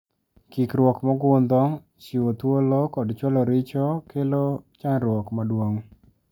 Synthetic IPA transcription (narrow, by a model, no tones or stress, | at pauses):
kikɾwɔkmɔɡʊnd̪ɔ | t͡ʃiwot̪wolɔkɔdt͡ʃwɔlɔɾɪt͡ʃɔkelot͡ʃanɾwɔkmadwoŋ